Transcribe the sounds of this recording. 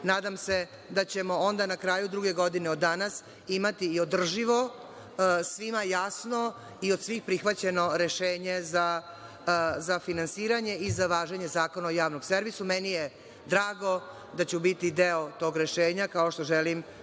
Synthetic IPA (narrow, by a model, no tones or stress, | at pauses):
naːd̪amse̞ | d̪at͡ɕe̞mo̞ond̪anakɾaːjud̪ɾuɡe̞ɡo̞d̪ineod̪ːanas | imat̪iːod̪r̩ʒiʋo̞ | sʋimajasno̞ | iod̪sʋiːxpɾixʋat͡ɕe̞no̞ɾeʃeːɲe̞za | zafinansiːɾaɲe̞izaʋaːʒeɲe̞zaːko̞naojaːʋnoɡ̥se̞ɾʋisumɛnije | d̪ɾaːɡo̞ | d̪at͡ɕubit̪id̪eot̪o̞ːɡɾeʃeːɲakaoʃt̪o̞ʒelim